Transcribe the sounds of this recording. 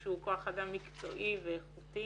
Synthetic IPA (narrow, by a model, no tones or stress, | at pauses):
ʃeukoaχadamːikt͡so̞̰ʔiveːχuti